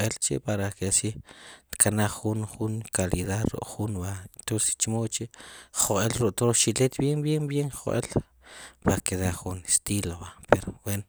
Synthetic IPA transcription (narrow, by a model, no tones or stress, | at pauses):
elt͡ʃḛpaɾakesit̪kʰanaχːunχuŋkaliðaðɾṵʔχunbant̪ose̥st͡ʃmoʔt͡ʃeʔχoʔʼelɾuʔt̪oʃilet̪bjembjembjeŋχoʔʼḛl | paakeðaχunest̪ilobapeɾoweno